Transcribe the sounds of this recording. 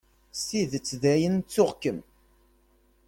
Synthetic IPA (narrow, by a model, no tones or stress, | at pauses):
siðt͡sːðæjənt͡sːʊʁkəm